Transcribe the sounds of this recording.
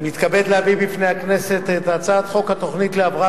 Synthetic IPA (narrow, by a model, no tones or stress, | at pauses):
mit̪kabe̞d̪leavibifnehakne̞set̪et̪at͡sat̪χo̞khat̪o̞χnit̪leavʁa